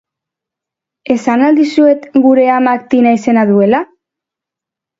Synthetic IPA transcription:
e̞sanald̪isue̞t̪ɡuɾe̞amakt̪inaise̞naðue̞la

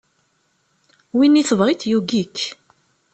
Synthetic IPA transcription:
winːiθəvʁit̪juɡik

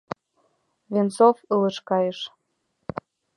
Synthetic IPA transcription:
vent͡sofələ̆ʃkɑjəʃ

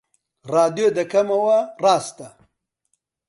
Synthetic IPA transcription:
raːd̪jod̪ɐkʰɐmɐwɐraːst̪ɐ

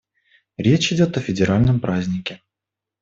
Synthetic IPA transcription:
ɾʲet͡ɕɪdʲo̞t̪əfʲɪdʲɪɾalʲnəmpɾazʲnʲɪkʲɪ

